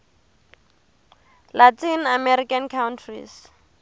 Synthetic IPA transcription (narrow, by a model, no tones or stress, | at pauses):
latʰinamɛɾikankʰawntʰrḭs